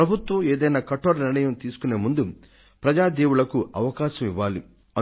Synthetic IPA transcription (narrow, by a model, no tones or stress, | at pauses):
pɾɐbʱut̪ʋɐmeːd̪ɐjnaːkɐʈoːɾniɾɳɐjɐmt̪iːsu̥kune̞ːmund̪u | pɾɐd͡ʒaːd̪eːwuɭɐkuʔɐʋɐkaːʃɐmiʋːaːli | ɐ